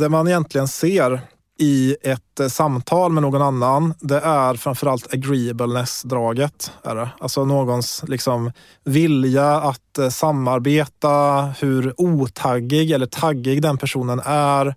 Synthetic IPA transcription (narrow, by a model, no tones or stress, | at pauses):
d̪ɛmanɪjɛnt̪ʰlɪɡənseːɾ | ɪɛt̪samːt̪ʰɑːlmɛnoːɡɔnanːand̪ɛʔæɾfɾamfœɾalt̪ʰaɡɾiːəbəlnɛsd̪ɾɑːɡət̪æ̰ɖɛalsɔnoːɡɔnslɪksɔm | vɪljaat̪samːaɾbeːt̪ahɵɾuːt̪ʰaɡːɪɡɛlːəʈʰaɡːɪɡd̪ɛnpʰæʂuːnənæɾ